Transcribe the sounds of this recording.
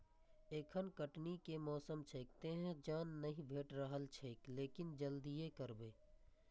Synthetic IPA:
eːkʰənkəʈnikemɔːsəmt͡ʃʰeːk̚t̪eɦɛ̃d͡ʒaːnːɐɦĩbʱeːʈɾəɦəlt͡ʃʰeːkleːkɪnd͡ʒəld̪ijekəɾbeː

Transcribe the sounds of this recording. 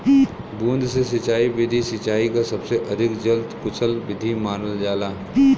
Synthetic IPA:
bũːnd̪sesɐt͡ʃaːiʋɪd̪ʱisɐt͡ʃaːikasɐbseʔɐd̪ʱɪkd͡ʒɐld̪kʊt͡ʃʰəlʋɪd̪ʱimaːnəld͡ʒaːlaː

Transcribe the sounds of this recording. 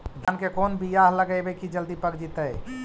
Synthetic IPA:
d̪ʱənkekoːnbʱijaɦləɡəjbekid͡ʒəld̪ipəɡd͡ʒit̪əj

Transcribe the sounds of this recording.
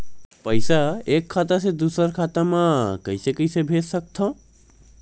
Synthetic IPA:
pəɪsaekʰːat̪əsẽd̪usəɾkʰat̪amakəisekəisebʱet̪sək̚t̪ʰõ

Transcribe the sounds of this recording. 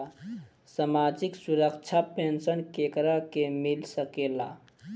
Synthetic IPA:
samad͡ʒiksuɾəkt͡ʃʰapensənkekɾakemilsəkela

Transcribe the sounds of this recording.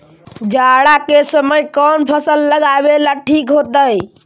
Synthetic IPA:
d͡ʒaɽakesəməjkɔnpʰəsəlːəɡabelaʈʰikɦot̪əj

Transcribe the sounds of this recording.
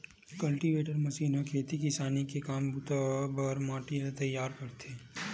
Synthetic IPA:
kɐlʈiʋeːʈəɾmɐsiːnokʰeːt̪ikɪsaːnikekaːmbʊt̪abɐɾmaːʈinet̪ɐjːaːɾkɐɾt̪ʰeː

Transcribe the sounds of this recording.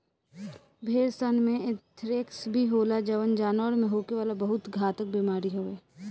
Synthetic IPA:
bʱeːɾsənmẽɪt̪ʰɾeksbʱiɦoːlad͡ʒɐʋənd͡ʒaːnɔɽmẽɦoːkeʋaːlabɐɦʊt̪ɡʱaːt̪ək̚biːmaːɾiɦoːeː

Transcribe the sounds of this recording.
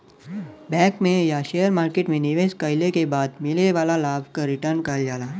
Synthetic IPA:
bɛ̃ːkmẽjaʃeːjəɾmaːɾkeːʈmẽnɪʋeːskəjlekebaːd̪mɪleʋaːlalaːbʱkaɾɪʈəɾnkɐd͡ʒaːlaː

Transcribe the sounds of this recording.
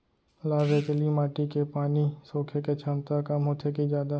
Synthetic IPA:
laːʋeːk̪limaːʈikepaːnisoːkʰeket͡ʃʰəmt̪akəmɦoːt̪ʰekid͡ʒjaːd̪a

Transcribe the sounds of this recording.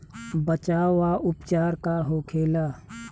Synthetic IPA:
bət͡ʃaːaʔʊpt͡ʃaːɾkaɦoːkʰeːla

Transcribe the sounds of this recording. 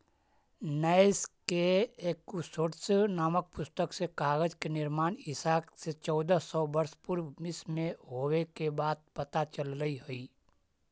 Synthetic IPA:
nɛɪskeeːkːusoːʈsnaːmək̚pʊst̪əksekaːɣəd͡ʒkenɪɾmaːnɪsaːkset͡ʃɔːd̪əsɔːbəɾspʊɾmɪsmẽɦoːwekebaːd̪̚pɐt̪at͡ʃəlɾəiɦoiː

